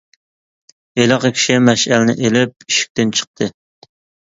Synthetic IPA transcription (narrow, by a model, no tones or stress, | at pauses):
elɑqəkʲʰi̥ʃimæʃælɪnɪ̰ʔelɪp̚iʃi̥k̚ʲt̪ɪnt͡ʃʰə̥q̚t̪ʰɨ